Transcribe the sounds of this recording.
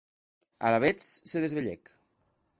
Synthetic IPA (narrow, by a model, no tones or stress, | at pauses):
alaβet͡sseðezβeʎɛk